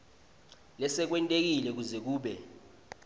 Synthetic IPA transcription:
lɛsɛk̬wɛntʼek̬ilɛk̬uzɛk̬uːɓɛ

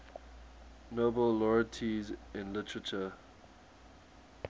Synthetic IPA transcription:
noːbəllɔɹətʰizɪ̃nlɪtʰɹət͡ʃə

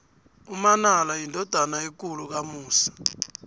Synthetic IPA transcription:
umanalajindʱɔd̥ʱanaik̬uluk̬amuːsḁ

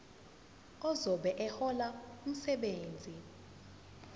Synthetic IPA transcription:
ɔzɔɓɛʔɛhɔlaum̩sɛɓeːnd͡zʱi

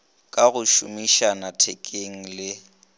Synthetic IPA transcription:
kʼaɣʊʃʊ̰miʃanatʰɛkʼeŋ̩lɪ

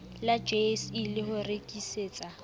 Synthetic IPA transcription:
lad͡ʒesilɪhʊrekʼiseːt͡sʼa

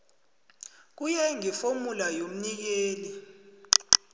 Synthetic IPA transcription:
k̬ujɛŋifomulajom̩nik̬eːli

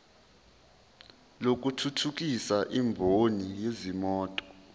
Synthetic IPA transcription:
lok̬ʼutʰutʰuk̬isaʔimbʱonijezimɔːtʼɔ̥

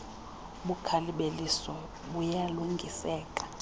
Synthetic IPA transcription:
ɓukʰaliɓelisɔ | ɓujaluŋɡʱisɛːkʼḁ

